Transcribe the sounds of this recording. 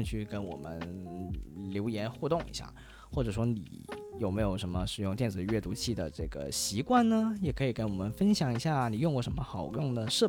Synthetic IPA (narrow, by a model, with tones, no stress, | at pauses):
t͡ɕʰy˥˧kə˥nwɔ̰˨˩mə̰˦n | ljo˧˥ʊjɛ˧˥nxu˥˧t̪ʊ˥˩ŋḭ˧˥ɕja̰˥˩ | xwɔ˥˩ʈ͡ʂɤ˨˩ʂ̬wɔ˥nḭ˨˩˦jo˨˩ʊme˧˥ɪjo˨˩ʊʂə˧˥nmə˧ʂɻ̩˨˩jʊ˥˧ŋt̪jɛ˥˩nd͡zɹ̩˨˩ɥɛ˥˩t̪u˧˥t͡ɕʰi˥˩d̪ə̰˩ʈ͡ʂɤ˥˩ɡə̰˩ɕi˧˥kwa˥˩nnə˩jɛ˨˩kʰɤ˧˥i˨˩kə˥nwɔ˨˩mə˦nfə˥nɕjɑ˨˧˩ŋi˧˥ɕja˥˩ni˨˩jʊ˥˧ŋkwɔ˥˩ʂə˧˥nmə˧xɑ˨˩ʊɡə˦jʊ˥˩ŋd̪ə˩ʂɤ˥˧